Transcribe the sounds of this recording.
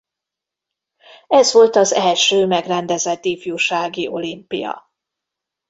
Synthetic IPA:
ɛzʋo̞lt̪ɒzɛlʃøːmɛɡrɛnd̪ɛzɛt̪ːiːfjuʃaːɡiʔo̞limpḭjɒ̰

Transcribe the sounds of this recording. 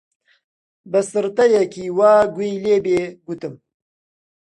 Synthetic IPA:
bɨsɨɾt̪ɐjɐkiːwaːɡʷejleːbeːɡut̪ɨm

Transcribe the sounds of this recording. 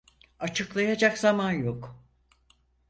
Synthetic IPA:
at͡ʃʰɯklˠajad͡ʒakzamanjok

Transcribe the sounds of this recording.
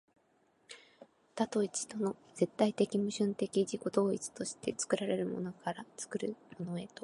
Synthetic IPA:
t̪at̪o̞it͡ɕi̥t̪o̞no̞z̥e̞t̪ːait̪e̞kʲimɯ̟ɕɨ̃nt̪e̞kʲid͡ʑiko̞d̪o̞ːit͡sɨ̥t̪o̞ɕi̥t̪e̞t͡sɨ̥kɯ̟ɾaɾe̞ɾɯ̟mo̞̰no̞kʰaɾat͡sɨ̥kɯ̟ɾɯ̟mo̞no̞e̞t̪o̞

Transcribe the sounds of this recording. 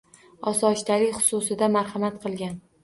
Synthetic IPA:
ɒsɒʃt̪alɪkʲχʊ̥sʊsɪd̪amaɾhamat̪̚qʰɨlˠɡʲan

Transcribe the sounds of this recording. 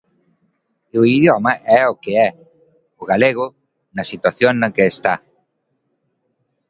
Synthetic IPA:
ʊiðjɔmɐʔɛokeɛ | ʊɣaleɣ̞ʊ | nɐsit̪waθjoŋnɐkeːst̪a

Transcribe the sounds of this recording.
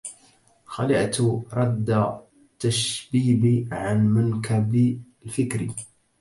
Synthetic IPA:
xalɪʔt̪ɾˤɑd̪ːa | t̪ːaʃbiːbiʕanmʊnkʰab | lfɪkɾi

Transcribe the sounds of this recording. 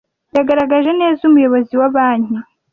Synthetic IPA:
jaɡaɾaɡaʒe̞ne̞ːzumujo̞βoziwaβaːɲhi

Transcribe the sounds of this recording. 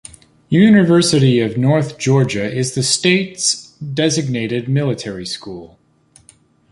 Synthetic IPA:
jʉnɨvɜ˞sɨɾiʌvnɔɹθd̥ʒ̥ɔɹd͡ʒɨɪzðɨsteɪtsdɛzɨɡ̚neɪɾɨd̚mɪlˠɨtʰɛɹiskulˠ

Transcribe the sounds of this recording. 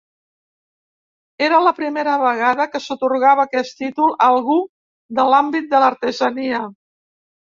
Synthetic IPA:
eɾələpɾimeɾəβəɣ̞aðəkəsut̪uɾɣaβəːkɛst̪it̪ulˠəlˠɣu | d̪əlambit̪̚d̪ələɾt̪əzəniə

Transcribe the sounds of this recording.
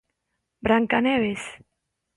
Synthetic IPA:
bɾaŋkaneβes

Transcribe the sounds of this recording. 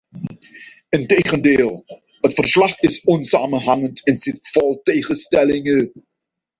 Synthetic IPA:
əntejχəndeːlˠ | ɦətfərslɑχɪsɔnsaːmənɦɑŋəntʰɛnsɪtfɑlˠtejχəstɛlɪŋə

